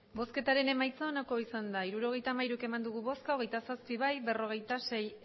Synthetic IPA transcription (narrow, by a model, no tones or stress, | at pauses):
bo̞ske̞t̪aɾe̞ne̞majt͡saonako̞isand̪aiɾuɾo̞ɣ̞e̞jt̪amajɾuke̞mand̪uɣ̞uβo̞skaoɣe̞jt̪asaspiβajbe̞ro̞ɣ̞e̞jt̪ase̞j